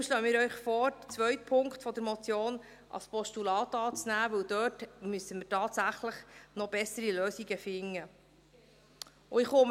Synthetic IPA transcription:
uʃloːəmɪːɾœʏχfɔːɾt͡sʋœɥt̚pʰʊŋktfɔd̪əɾmɔt͡sjoːn | ʔɑ̰spɔstulɑːt̪ɑːt͡snæːʋɵwd̥̪øːtmysəmɪɾtɑːt̪sæχləχnɔbɛsəɾiløːsiɡəfɪŋːə | ʊɪχʊm

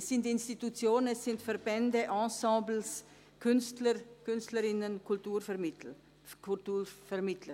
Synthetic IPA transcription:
ssɪntɪnstitut͡sjoːnənɛsːɪntfɛɾbɛndəʔɑ̃ːsɑ̃ːbl̩s | kʰʏnstləkʏnstləɾɪnənkʰʊltuːɾfɛmɪ | kʰutuːfɛɾmɪtʰlə

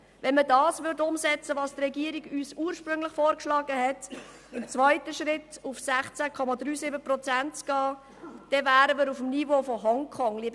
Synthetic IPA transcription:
vɛnmədɑːsvʏɾdʊmsɛt͡səvɑːstrɛɡiəɾiɡyːsuːəɾʃpɾɵŋləχfoːɾkʃlɑːɡəɦɛt | ɪmt͡svaɪtəʃɾɪtufsæχt͡sækʰɔmɑd̪ɾyːsɪbəprɔt͡sæntt͡sɡ̥ɑː | d̥ɛvæːɾəməɾufm̩nivoːfɔɦɔŋkʰχɔŋlib

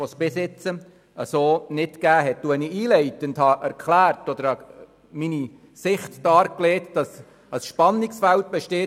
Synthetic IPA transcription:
ɔsb̥ɪsɪt͡sə | əsoːnɪtɡ̥æːɦɛt̚d̥uəniiːlɛɪtəndhɑʔæɾkχlæːrtɔd̪əɾɑ | mini | sɪχtd̥ɑːɾkleːtd̥ɑs | əsʃpɑnːiksfælt̚b̥ɛʃteː

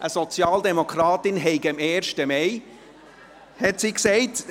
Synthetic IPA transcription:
ʔəsɔt͡sjɑːldɛmokʰɾɑːtɪnɦɛɪɡɪmeːɾʃtəmɛj | hɛtsiksɛɪt

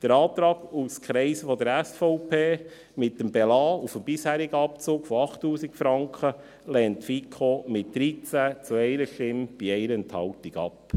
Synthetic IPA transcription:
d̪̥əɾɑːt̪ɾɑːɡuskχɾɛɪsəfɔd̪əɾæsfɔʊpʰeː | mɪtːəmbɛlɑːufəmbɪshæːɾiɡəɑpt͡soːkfɔɑχtːuːsikfɾɑŋkχə | lɛːntfikʰomɪtd̥̪ɾit͡sæt͡suɛɪɾəʃtɪmb̥iɛɪɾəənt̪hɑwt̪iɡɑ̰p

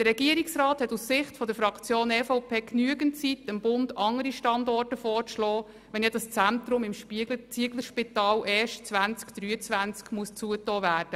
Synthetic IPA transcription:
d̥əɾɛɡiəɾiksrɑːthɛtussɪχtfɔdəɾfɾɑkʰt͡sjoːnɛfɔʊpʰeːknyəɡəntt͡sitəmbʊnd̥ɑŋəɾiʃtɑndɔrtəfɔːrslɔː | ʋɛnjɛd̥ɑst͡sænt̪ɾʊmɪmʃpit͡siəɡləʃpɪtɑːlʔɛːʃtt͡sʋænt͡skd̪̥ɾyːət͡sʋænt͡skmuəst͡suətɔːvæːrd̥ə

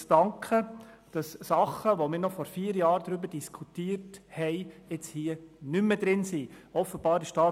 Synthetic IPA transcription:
d̥ɑŋkχə | d̥ɑssɑχəʋomɪːɾnɔχfɔɾfiːɾjɑːɾd̥ɾʏbəd̥iskʰutiːəɾthɛɪɪt͡shiːənʏməd̥̪ɾɪnsiː | ɔfəb̥ɑːɾɪʃtɑː

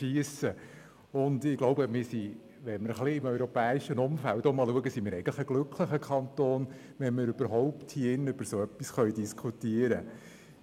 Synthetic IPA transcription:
ʃiəsə | ʊnd̪ɪɡ̥loʊbəmɪɾsi | ʋɛməɾəχliɪmœɥɾɔpɛːiʃənʊmfæltɔmɑluəɡəsimɪːɾɛɪɡən̩tlə̥əɡ̥lʏkχləχəkʰχɑnt̪oːn | ʋɛnmɪɾʉb̥əɾɦɔʊpthiɪnːəøb̥əɾsoœpːisχœɥdiskʰutiəɾə

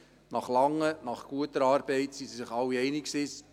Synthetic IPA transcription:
nɑχlɑŋːənɑχɡ̥uətəɾɑːɾbɛɪtsisisɪχɑwːiɛjnɪksɪs

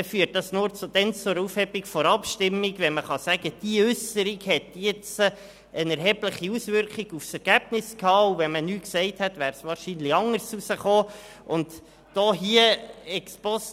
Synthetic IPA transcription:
ɛfyːət̚dɑsnʊːɾt͡sʊd̥̪ɛnt͡sʊɾufhɛbiɡ̥fɔɾɑpʃtɪmːiɡʋɛnməχɑsæɡ̥əd̪̥iəʏsəɾiɡhɛtjɛt͡sə | ənɛɾɦɛbləχiusʋʏɾkχiɡ̥ufsɛɾɡ̥æb̥nɪskʰɑːuvɛnmənyːksɛɪthɛt̪ʋæːɾsʋɑːɾʃiːnlɪɑŋəɾsusəχoː | ʊnd | d̥ɔːɦiəɛkspɔs

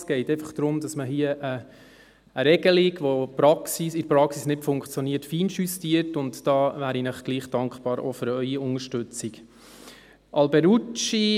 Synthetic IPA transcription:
sɡ̥ɛɪtɛɪfɑχd̥ɾʊmd̥ɑsməɦiəʔə | əɾɛɡ̥əliɡʋopɾɑksisɪɾpɾɑksisnɪtfʊŋkt͡sjoniːəɾtfiːnʃystiətʊntd̥ɑːvæːɾinəχɡ̥liːχd̥ɑŋkχb̥ɑːɾʔo̰fʏɾœʏiʊŋəʃtʉt͡sik | ʔɑlbɛɾut͡ʃi

